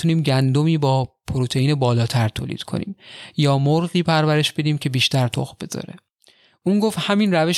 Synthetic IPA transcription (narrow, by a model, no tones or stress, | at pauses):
uniːmɟænd̪o̞miːbɒːpʰoɾot̪ʰe̞jiːnebɒːlɒːt̪ʰæɾt̪ʰo̰ːlḭd̪kʰo̰nḭːmjɒːmoɾɢiːpʰæɾvæɾe̞ʃbe̞d̪iːmcʰe̞biːʃt̪æɾt̪ʰo̰xbe̞zɒ̰ːɾe | ʔuːnɡoft̪hæminræve̞ʃ